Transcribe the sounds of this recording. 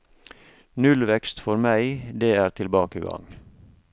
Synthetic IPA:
nʉlʋɛkst̪fɔɾmæɪd̪eːæːɾt̪ʰɪlbɑːkəɡɑ̰ŋ

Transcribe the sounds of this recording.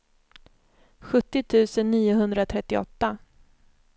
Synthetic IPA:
ɧɵt̪ːɪt̪ʰʉ̟ːsənːiːʊɦɵnd̪ɾat̪ʰɾɛt̪ːɪɔ̰t̪ːa

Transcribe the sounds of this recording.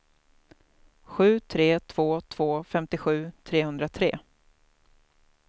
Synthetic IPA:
ɧʉ̟ːt̪ʰɾeːt̪ʰv̥oːt̪ʰv̥oːfɛmt̪ɪɧʉ̟ːt̪ʰɾeːhɵnd̪ɾat̪ʰɾeː

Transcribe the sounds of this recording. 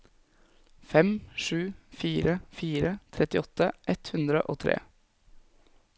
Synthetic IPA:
fɛmʂʉːfiːɾəfiːɾət̪ʰɾɛt̪ɪɔt̪ːəʔɛt̪hʉnd̪ɾəʔoːt̪ʰɾḛː

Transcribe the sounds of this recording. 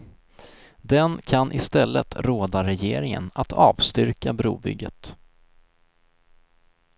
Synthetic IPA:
d̪ɛnkʰanʔɪst̪ɛlːə̰t̪ʰɾoːd̪aɾɛjeːɾɪŋə̰nat̪ʰɑ̰ːvst̪ʏɾkabɾṵːbʏ̰ɡːət̪

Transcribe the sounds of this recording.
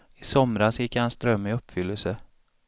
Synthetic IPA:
ɪsɔmɾasjɪkːhansd̪ɾœmːɪɵpːfʏlːəlsə

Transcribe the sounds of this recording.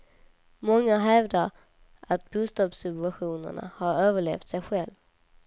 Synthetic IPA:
mɔŋːaɦɛvd̪aɾ | at̪̚buːst̪ɑːbsɪt̪aɧuːnə̰ɳa̰haɾøːvəɭḛːft̪sɛjɧɛlv

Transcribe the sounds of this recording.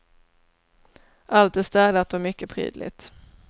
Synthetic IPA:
ʔalt̪ɛæst̪ɛːd̪at̪ɔmʏkːəpʰɾḭːd̪lɪ̰t̪

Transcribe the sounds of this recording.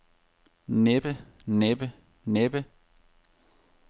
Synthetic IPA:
neb̥ə | neb̥ə | neb̥ə

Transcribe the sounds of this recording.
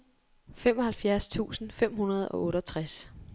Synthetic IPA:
fem̰ɒ̽hælfjæɐst͡sʰṵːsn̩fem̰ɦunɐð̞̩ˠɒ̽ʔɔ̽ːɾɒt͡sʰʁas

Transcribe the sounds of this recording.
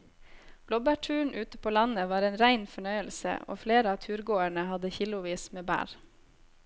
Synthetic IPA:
b̥lɔbæːʈʰʉːɳ̩ʔʉːt̪əpʰoːlɑnəʋɑːɾeːnɾæɪnfɔɳœʏəlsə̰ʔo̰ːfleːɾəɑːt̪ʰʉːɾɡoːæɳəhɑd̪əçiːlʊʋiːsmeːbæ̰ːɾ

